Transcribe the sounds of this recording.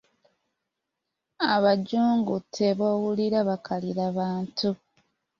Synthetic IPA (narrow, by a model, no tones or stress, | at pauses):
aβaɟuːŋɡutʰːeβoːwuliɾaβakʰaliɾaβaːntu